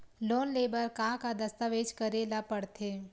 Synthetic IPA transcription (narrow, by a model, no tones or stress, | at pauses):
loːnleːbəɾkaːkad̪ɐst̪əʋeːd͡ʒkəɾelapəɽt̪ʰeː